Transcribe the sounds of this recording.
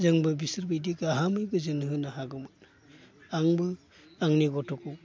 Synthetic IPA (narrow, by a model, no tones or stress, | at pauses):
zɯŋbɯbisɯɾbidikaɦamɯjbɯzɯnɦɯnaɦaɡɯmɯt | aŋbɯ | aŋniɡɔtʰɔku